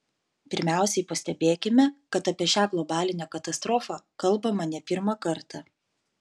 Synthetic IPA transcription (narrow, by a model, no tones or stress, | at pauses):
pʲɪɾʲmʲæˑʊsʲɛɪpɐsʲt̪ʲɛbʲeːkʲɪmʲɛkɐt̪ɐpʲiɛʃʲæːɡlˠɔbɑːlʲɪnʲɛkɐt̪ɐst̪ɾɔːfɑkɐlˠbɐmɐnʲɛpʲɪɾmɐkɐɾt̪ɑ